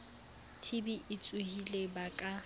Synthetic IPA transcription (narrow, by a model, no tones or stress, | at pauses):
tʰɪbiʔɪt͡sʼuhilebakʼa